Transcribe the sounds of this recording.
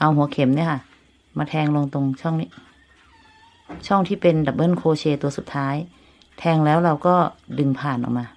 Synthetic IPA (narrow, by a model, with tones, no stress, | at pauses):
ʔa˧wɦu˩˦ɐkʰe˨˩˦mni˧˥˨kʰa˧˥˩ | maː˧t̪ʰɛː˧ŋlo˧ŋt̪o˧ŋt͡ɕʰɔ˥˩ŋni˦˧˩ | t͡ɕʰɔ˥˩ŋt̪ʰiː˥˩pe˧nbɛː˨˩p̚bɤː˥˨nkʰoː˧t͡ɕʰeː˧t̪u˧ɐsu˨˩t̪ʰːaː˦˥j | t̪ʰɛː˧ŋlɛː˦˥˩wɾa˧wkɔː˥˩dɯ˧ŋpʰaː˨˩nʔɔ̰˨˩k̚maː˧